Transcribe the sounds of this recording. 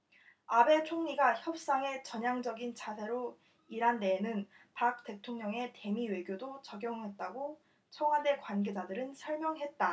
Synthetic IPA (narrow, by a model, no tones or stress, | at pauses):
abe̞t͡ɕʰoŋɲiɡaçjʌp̚s͈aŋe̞t͡ɕʌɲaŋd͡ʑʌɡint͡ɕʰasʰe̞ɾo | iɾɦande̞nɯn | pak̚t͈e̞tʰoŋɲʌŋe̞te̞miwe̞ɡjodot͡ɕʌɡjʌŋɦe̞t̚t͈aɡo | t͡ɕʰʌŋɦade̞kwanɡe̞d͡ʑadɯɾɯnsʰʌɭmjʌŋɦe̞t̚t͈a